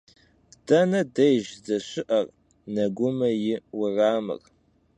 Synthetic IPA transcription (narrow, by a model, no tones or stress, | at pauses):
d̥ɐnɐdɐjʒzɐɕɪʔɐr | nɐɡʷʊmɐjɪwʊraːmɨ̰r